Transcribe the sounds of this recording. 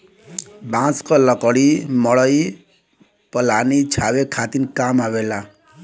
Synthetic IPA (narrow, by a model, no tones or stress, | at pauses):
bãskɔlʌkɔɽimɔɭʌi | pɔlanit͡ʃʰawekʰat̪inkamawela